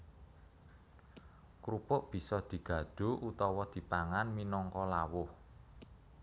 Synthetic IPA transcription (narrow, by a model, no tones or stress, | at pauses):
kɾupʊʔb̥i̤sɔd̪̥i̤ɡ̥ä̤ɖ̥o̤ʔut̪ɔwɔd̪̥i̤paŋanminɔŋkɔlawʊh